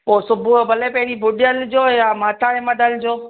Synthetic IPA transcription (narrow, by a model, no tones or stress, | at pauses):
poːsʊbʱubɐlepɛɦɪɾibʱʊɗɪjəld͡ʑoːjamaːt̪ʰaemɐd̪əld͡ʑoː